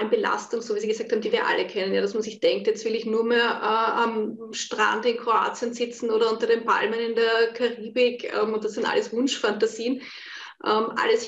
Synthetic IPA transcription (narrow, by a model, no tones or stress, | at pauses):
nbəla̰stʊŋsoːviːsiɡəsaːk̚thaːm̩diːviːɐʔa̰lʔəkʰɛnənjaːɾasmansɪçd̥ɛŋk̚tjɛt͡stvɪlɪçnuːɐmeːɐʔɛːam | ʃtʁ̥a̰ndɪnkʰʁoa̰ːt͡siənzɪt͡sn̩oːɾɐʊntɐdeːnpʰa̰lmənɪndeɛɐkʰaʁiːbɪkɛ̰mʊnt̚d̥asːɪnta̰ləsvʊnʃfantasiːən | ʔɛmʔa̰ləs